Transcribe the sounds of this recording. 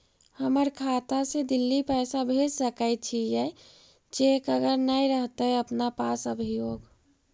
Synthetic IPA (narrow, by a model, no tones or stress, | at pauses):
həməɾkʰat̪ased̪ilːipɛjsabʱed͡ʒsəkəɪt̪̚t͡ʃʰijɛ | d͡ʒekəɡəɾnajɾəɦt̪əəpnapasəbʱijoɡ